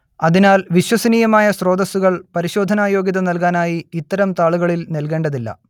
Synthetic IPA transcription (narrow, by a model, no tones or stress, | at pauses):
ɐðinaːlʋiɕwɐsɐniːjɐmaːjɐsro̞ːd̪ɐsuɣɐɭpɐɾiɕoːd̪ʱɐnaːjo̞ːɡjiðɐnɐlkaːnaːjiːt̪ːɐɾɐmt̪aːɭuɣɐɭilnelke̞ːɳɖɐðilːɐ̰